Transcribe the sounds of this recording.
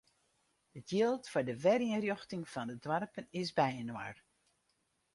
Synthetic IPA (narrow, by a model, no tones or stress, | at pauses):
ətʰjɪlˠtfʊɹdəʋɛɾiənrjoxtɪŋfɔndədwarpənɪsbɛjənwa̰r